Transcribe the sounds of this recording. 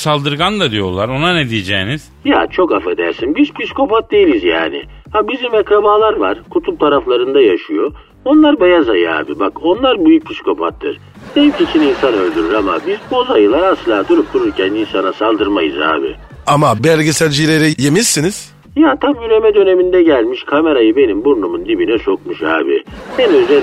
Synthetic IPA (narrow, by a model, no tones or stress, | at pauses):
salˠd̪ɯɾɡand̪ad̪ijo̞ɾlˠaɾo̞nanɛd̪ijed͡ʒɛ̰ːniz̥ja̰t͡ʃʰo̞kafed̪æɾsinbizpʰisi̥ko̞pat̪̚d̪e̞jilʲizja̰ːnɪ̰abizimɛkɾabaːlˠaɾvaɾ̥kʰut̪ʰult̪ʰaɾaflˠaɾɯnd̪ajaʃɯjo̞ | o̞nlˠaɾbajazajɯa̰ːbibako̞nlˠaɾbyjyc̚pʰisko̞pʰat̪ːɯ̰ɾ̥ | d̪̥ejimcit͡ʃʰininsanø̞lʲd̪yɾyɾama̰bizbo̞zajɯlˠaɾasɯlˠaːd̪uɾup̚t̪uɾuɾcʰæninsanasalˠd̪ɯɾmajɯ̰za̰ːbɪ̰ | amabæɾɟesælʲd͡ʒileɾijemissːiniz̥ | jat̪ʰamyɾe̞mɛd̪ø̞ne̞mind̪ɛɟælʲmiʃkʰame̞ɾajɯbe̞nimbuɾnumund̪ibinɛt͡ʃʰo̞kmuʃha̰ːbɪ̰ɛnøzɛ